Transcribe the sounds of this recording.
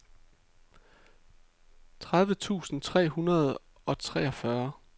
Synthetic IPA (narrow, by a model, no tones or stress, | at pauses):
t͡sʰʁaðˠʋət͡sʰṵːsn̩t͡sʰʁɛ̰ːhunɐð̞ˠ | ɒ̽t͡sʰʁɛ̰ːɒ̽fɶɐ